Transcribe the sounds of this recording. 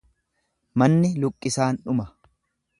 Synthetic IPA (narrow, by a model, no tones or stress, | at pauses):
mɐnːɪlʊkʼːɪsaːnᶑʊmɐ